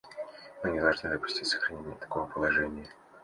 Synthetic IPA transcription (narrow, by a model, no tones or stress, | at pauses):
mɨnʲɪd̪ɐlˠʐnɨvəpʊ̥sʲtʲitʲsə̥xɾɐnʲenʲɪjət̪ɐ̥kovəpəlˠɐʐɛnʲɪjə